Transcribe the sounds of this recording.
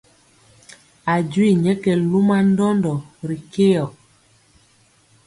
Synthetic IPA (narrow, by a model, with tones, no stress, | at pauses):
a˨d͡ʒwi˦˨ɲɛ˦kɛ˨lu˦ma˦n˦dɔ˦ndɔ˨ɾi˨ke˦jɔ˨